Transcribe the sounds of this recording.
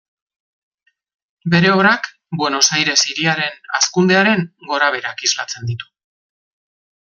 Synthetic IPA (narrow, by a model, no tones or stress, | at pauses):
be̞ɾe̞oβɾak | bwe̞no̞sajɾe̞siɾiaɾe̞na̰skund̪e̞aɾe̞ŋɡo̞ɾaβ̞e̞ɾakizla̰t͡se̞nd̪it̪u̥